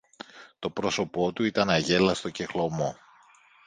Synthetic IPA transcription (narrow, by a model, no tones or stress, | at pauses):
t̪o̞pɾo̞so̞po̞t̪uit̪ɐnɐʝe̞lɐst̪o̞cexlo̞mo̞